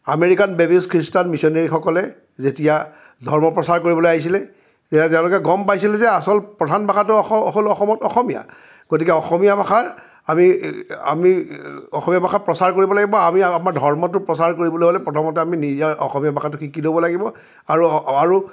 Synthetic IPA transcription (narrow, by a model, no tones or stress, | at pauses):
a̰meɹikanbebiskʰɹistanmisɔneɹixɔkɔlɛ | zetija | dʱɔɹmɔpɹɔsaɹkoɹibɔlojaɦis̬ilɛ | zetat̬ɛʊ̃lokɛɡɔmpajsilɛzɛasɔlpɹɔdʱanbʱaxʰatʊɦolɔxɔmɔtɔxɔmija̰ | ɡ̥otikɛɔxɔmijabaxaɹ | amia̰miɔ̰xɔmijabʱaxapɹɔsaɹkoɹibɔlaɡibɔamiamaɹdʱɔɹmɔt̬ʊpɹɔsaɹkoɹibɔloɦolɛpɹɔtʰɔmɔtɛaminiziaɹʔɔ̰xɔmijabakatʊxikilobɔlaɡibɔ | aɹuaɹu